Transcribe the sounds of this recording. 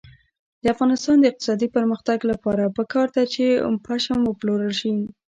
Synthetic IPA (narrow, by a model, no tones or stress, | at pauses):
d̪əafɣɑnɪst̪ɑnd̪əɪq̚t̪ɪ̥sɑd̪ipəɾməxt̪aɡlapɑɾapəkɑɾd̪at͡ʃepʰaʃamwəploɾəlʃi